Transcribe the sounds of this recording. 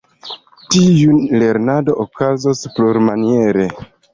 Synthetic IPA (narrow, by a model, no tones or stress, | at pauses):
tijule̞ɾnado̞ʔokazospluɾmanie̞ɾe̞